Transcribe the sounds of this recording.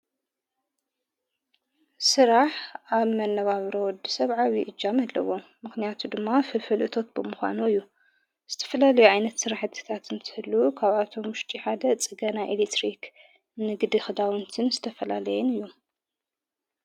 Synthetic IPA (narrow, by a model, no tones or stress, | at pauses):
sɨɾaħʔaβmɐnːɐβaβɾɐwɔd̪isɐβʕawiʔɨd͡ʒːamalːɐ̰wo̞mɨxnijat̪ʰud̪ɨmːafɨfɨlʔɨt̪ʰo̞t̪̚bɨmɨxʷa̰nuɨjːu | z̥ɨt̪ʰɐ̥fɐlalɐjuʕajnɐt̪sɨɾaħɨt̪ʰɨ̥t̪ʰat̪ɨnt̪ʰɨ̥hɨlːukʰaβat̪ʰo̞mʊʃt̪ʼiħad̪ɐt͡sʼɨɡɐnaʔelet̪ɾik | nɨɡd̪ixɨd̪awɨnt̪ʰɨnzɨt̪ʰɐfɐla̰lɐjɛnɨjːu